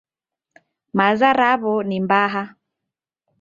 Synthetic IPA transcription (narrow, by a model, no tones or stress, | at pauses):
mazaɾaβɔnimbaɦa